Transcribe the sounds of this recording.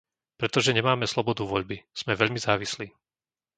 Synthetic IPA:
pɾɛt̪ɔʒɛɲɛmaːmɛslɔbɔd̪uʋɔʎbiz̥mɛʋɛʎmizaːʋisliː

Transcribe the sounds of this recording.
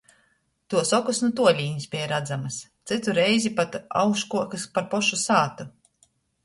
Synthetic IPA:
t̪uɔsɔkusnut̪uɔlʲiːɲʲisbʲiɛjɾad̪zamast̪sɨt̪uɾɛjzipat̪a̰wkʃkuɔkɨspaɾpɔʃusaːt̪u

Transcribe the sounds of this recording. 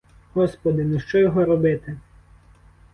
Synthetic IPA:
hɔspɔd̪ɪnʊʃt͡ʃɔjɔɦɔɾɔbɪt̪ɪ

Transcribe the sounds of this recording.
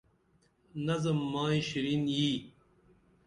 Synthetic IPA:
nɐzɐmːaːiɕiɾinjiː

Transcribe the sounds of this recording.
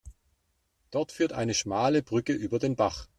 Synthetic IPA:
d̥ɔɐtfyːɐtʔa̰ɪnəʃmaːləbʁʏkəʔyːbɐdeːnbaχ

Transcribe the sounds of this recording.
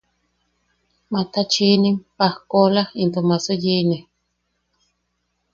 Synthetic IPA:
mat̪at͡ʃinimpahkolaint̪omasojini

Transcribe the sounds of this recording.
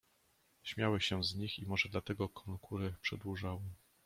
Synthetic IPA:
ɕmʲjawɘɕɛzɲiximɔʐɛd̪lat̪ɛɡɔkʰɔnkʰuɾɘpʂɛd̪wuʐawɘ

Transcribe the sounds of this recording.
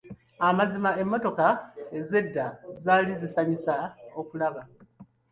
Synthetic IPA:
amazimae̞mːo̞to̞kae̞ze̞dːazaːlizisaɲusao̞kulaβa

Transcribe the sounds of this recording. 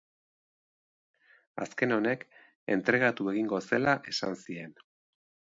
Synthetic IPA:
a̰ske̞no̞ne̞k | e̞̰nt̪ɾe̞ɣ̞at̪ue̞ɣiŋɡo̞se̞laʔe̞sansie̞n

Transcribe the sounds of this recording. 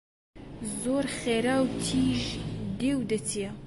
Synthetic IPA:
zoːɾχeːɾaːwt̪ʰiːʒd̪ewd̪ɐt̪ʰijɛ

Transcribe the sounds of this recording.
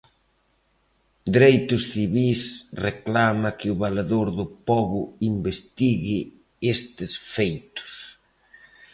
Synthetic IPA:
d̪eɾejt̪ʊsθiβisreklamɐkɪʊβalaðoɾðʊpɔβʊimbest̪iɣɪ | est̪ɪsfejt̪ʊ̥s

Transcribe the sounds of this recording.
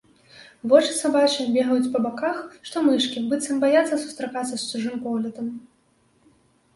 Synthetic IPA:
vɔt͡ʂɨ̥t̪sɐbat͡ʃɨnʲbʲɛɣɐjut͡sʲpɐbakaxʂt̪ɔmɨʂkʲibɨt̪sɐmbajat̪sːɐsu̥st̪ɾɐkat̪sːɐst͡ʃuʐɨmpɔɣlʲɐd̪ɐm

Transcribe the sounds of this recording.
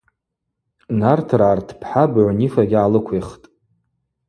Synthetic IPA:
nartʰraːrtʰpʰħabʕʷnifaɡʲalɨkʷʰeχtʼ

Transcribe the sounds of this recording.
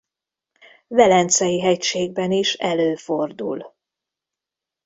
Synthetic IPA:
vɛlɛnt̪sɛjiɦɛcʃeːɡ̚bɛniʃɛløːfo̞rd̪ul

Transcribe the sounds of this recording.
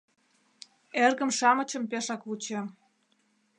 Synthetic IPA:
erɣə̆mʃɑmət͡ɕə̆mpeʃɑklut͡ɕe

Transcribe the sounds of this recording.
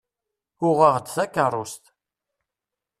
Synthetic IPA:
ʊʁəʁd̪θækːərˤːʊst̪

